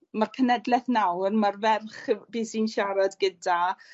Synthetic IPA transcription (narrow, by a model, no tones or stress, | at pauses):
markʰənɛdlˠɛθnawrmarvɛrχbiːsiːnʃaɾadɡəda